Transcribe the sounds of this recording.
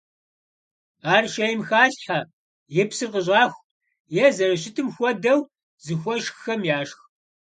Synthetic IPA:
aːrʃejɪmxaːɬħa | jɛpsɨrqəʑaːxʷ | jɛzɐrɐɕ̬ɪtʰɨmxʷɔdɐw | zɨxʷɔʃxxɐmjaːʂx

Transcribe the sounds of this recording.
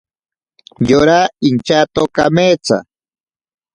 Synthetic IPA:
joɾaint͡ʃat̪okamet͡sa̰

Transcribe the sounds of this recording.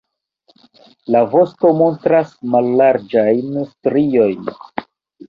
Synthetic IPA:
lavo̞sto̞mo̞ntɾasmalːaɾd͡ʒajnstɾio̞jn

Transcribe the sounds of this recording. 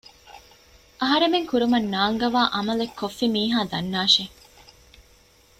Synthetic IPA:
ʔɐɦɐɾemeŋkuɾumɐnːaːŋɡɐʋaːʔɐmɐlekʰːofːimiːɦaːd̪ɐnːaːʃe

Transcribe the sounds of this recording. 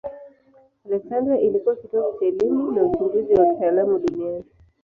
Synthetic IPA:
alɛksandɾaʔilikuwakitɔkasɛlimunamut͡ʃiŋɡuziwautaːlamuɗuniani

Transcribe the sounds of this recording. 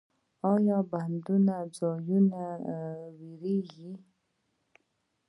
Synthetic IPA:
ɔjɔband̪unad͡zɔjunawiɾiɣi

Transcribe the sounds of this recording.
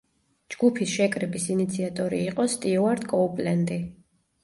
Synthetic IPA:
d͡ʒɡupʰisʃɛkʼɾɛbisinit̪sʰiat̪ʼɔɾiːqʼɔst̪ʼiɔaɾd̪kʼɔupʼlɛnd̪i

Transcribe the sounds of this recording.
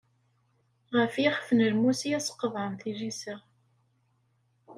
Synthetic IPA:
ʁəfjiχfənəlmusijæsə̥qːəðˤəmθiʒisəʁ

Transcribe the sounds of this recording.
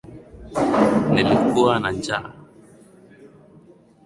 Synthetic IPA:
nɛlekuanaɲd͡ʒa̰ʔ

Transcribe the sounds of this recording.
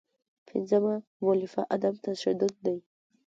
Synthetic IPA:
pʰɪ̰nzama | molɪfaʔad̪amt̪aʃad̪ʊd̪̚ːaj

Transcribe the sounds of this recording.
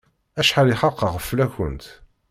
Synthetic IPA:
æʃħaliχɑqːəʁəfːlæçə̰nt̪

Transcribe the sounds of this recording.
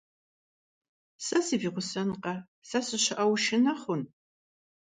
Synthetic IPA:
sɐsiviːʁʷʊsɐnqɐ | sɐsɨɕɪʔɐwʃɪnɐχʷʊn

